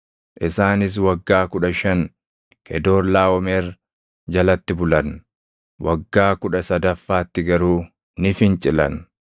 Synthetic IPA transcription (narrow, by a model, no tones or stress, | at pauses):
ʔɪsaːnɪs̬wɐɡːaːkʊᶑɐʃɐŋ | kɛd̪o̞ːɾlaːɔmeːɾ | d͡ʒɐlɐt̪ːɪbʊlɐn | wɐɡːaːkʊᶑɐsɐd̪ɐfːaːt̪ːɪɡɐɾuː | nɪfɪnt͡ʃʼɪlɐ̰n